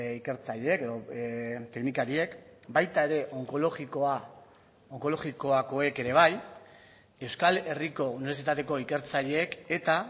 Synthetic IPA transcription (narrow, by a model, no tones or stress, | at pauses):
ike̞ɾt͡saʎeeke̞ðo̞t̪e̞knikaɾie̞kbajt̪ae̞ɾe̞ʔoŋkoloɣikoa | oŋko̞lo̞ɣiko̞ako̞e̞ke̞ɾe̞β̞aj | e̞wskale̞riko̞uniβeɾs̬it̪at̪e̞ko̞ike̞ɾt͡saʎeːke̞t̪a